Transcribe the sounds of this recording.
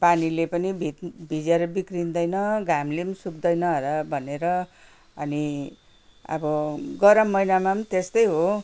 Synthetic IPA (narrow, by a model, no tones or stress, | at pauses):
panilepʌnibʱit̪bʱid͡zeɾʌbikrind̪ʌjnʌɡamlemisukd̪ʌjnʌɦʌlʌbʱʌneɾʌ | ʌni | ʌ̰bʌɡʌɾʌmːʌjnamamnt̪est̪ʌjɦo